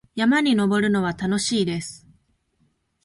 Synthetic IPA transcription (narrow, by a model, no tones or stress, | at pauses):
jamaɲ̟ino̞bo̞ɾɯ̟no̞β̞at̪ano̞ɕiːd̪e̞sɨ̥